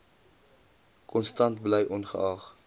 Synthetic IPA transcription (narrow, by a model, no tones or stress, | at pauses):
kʰɔnstɐntblɛjʔɔnχəʔɑːχ